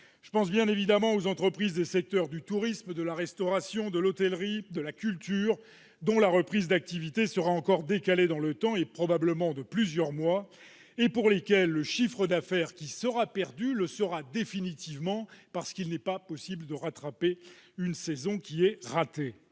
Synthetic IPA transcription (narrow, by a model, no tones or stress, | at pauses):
ʒ̥əpɑ̃s̬bjɛ̃nevid̪amɑ̃ozɑ̃t̪χəpχizd̪esɛk̚t̪œʁd̪yt̪uʁismd̪əlaʁɛst̪ɔʁasjɔ̃d̪əlɔt̪ɛlʁid̪əlakʲylt̪yːʁ | d̪ɔ̃laʁəpχizd̪ak̚t̪ivit̪esəʁaɑ̃kɔʁd̪ekaled̪ɑ̃lət̪ɑ̃epχɔbabləmɑ̃d̪əplyzjœʁmwa | epuʁlekʲɛlːəʃifχəd̪afɛʁkʲisəʁapɛʁd̪yləsəʁad̪efinit̪ivmɑ̃paʁsə̥kilnɛpapɔsibləd̪əʁat̪χapeynsɛzɔ̃kʲiɛʁat̪e